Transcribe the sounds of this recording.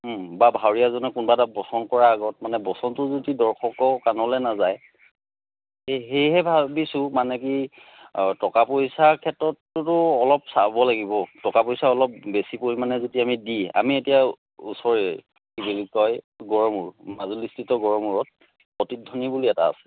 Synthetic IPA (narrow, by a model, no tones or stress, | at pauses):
babʱawɹijazɔnɛkunɔbatabɔsɔnkɔɹaːɡɔt̚manɛbɔsɔntʊzodidɔɹkʰɔkɔkanɔlɛnazaj | eɦejɦɛbʱabisʊmanɛki | tɔkapojsakʰɛtɹɔtːʊtʊɔlɔp̚sabɔlaɡibɔtɔkapojsaɔlɔp̚besipoɹimanɛzotiamidia̰mietija | ṵsɔɹi | kibilikɔj | ɡɔɹɔmuɹmazulistitɔɡɔɹɔmuɹɔt̚ | pɔtidʱːɔnibuliɛta̰ːsɛ̥